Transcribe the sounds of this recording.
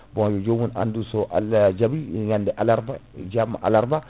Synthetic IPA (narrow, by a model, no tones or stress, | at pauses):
bõjod͡ʒowuna̰ndusoʔa̰ld͡ʒabijjandɛʔalaɾbad͡ʒamːaʔa̰laɾba